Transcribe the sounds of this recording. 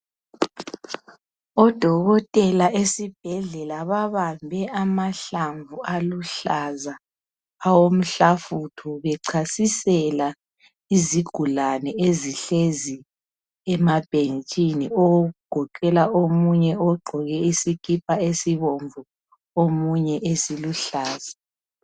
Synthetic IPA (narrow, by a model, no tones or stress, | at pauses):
ɔd̥ʱɔɣɔtʼɛlaesib̥ʱɛɮɛlaβaβambʱɛʔamaɬaɱvualuɬazaː | wom̩ɬafutʰɔβɛǀʰasisɛla | iziɡ̥ʱulanɛeziɬezi | ɛmab̥ʱent͡ʃʼiniɔwoɣuɡ̥ʱɔkʼɛlaʔomuɲɛɔɡ͡ǃʱɔɣɛisikʰʼip̚ʰʼaesiβoɱvu | omuɲɛʔesiluɬaːza